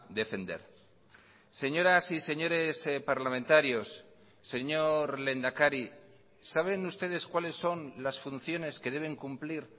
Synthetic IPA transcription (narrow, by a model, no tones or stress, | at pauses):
d̪e̞fe̞nd̪e̞̰ɾ | se̞ɲo̞ɾasise̞ɲo̞ɾe̞spaɾlamẽnt̪aɾjo̞sː | e̞ɲo̞ɾle̞nd̪akaɾi | saβ̞e̞nust̪e̞ð̞e̞skwale̞sːo̞nlasfun̟θjo̞ne̞ske̞ð̞e̞β̞e̞ŋkumpliɾ